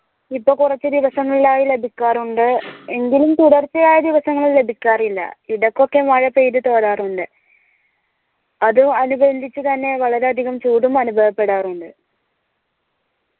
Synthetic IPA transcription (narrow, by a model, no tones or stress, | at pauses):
ipːoːkurɐt͡ɕːɨd̪iʋɐsɐŋːɐɭlaːjile̞bʱikʲːaːruɳɖɨe̞ŋɡilumt̪uɽɐrt͡ɕːɐjaːjɐd̪iʋɐsɐŋːɐɭle̞bʱikʲːaːrilːɐ̰iɽɐkːo̞kːe̞mɐɻɐpejɾut̪o̞ːɾaːruɳɖɨ | ɐðuɐnubɐnd̪ʱit͡ɕːɨt̪ɐnːe̞ʋɐɭɐɾeɐd̪ʱiɣɐmt͡ɕuːɽumɐnubʱɐʋɐpːe̞ɽaːruɳɖɨ